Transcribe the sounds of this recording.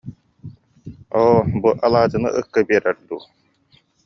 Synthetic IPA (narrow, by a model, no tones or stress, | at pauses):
oːbuʔɐlˠaːd͡ʑɯnɯ̰ʔɯkːɯbiɛɾɛɾd̪uː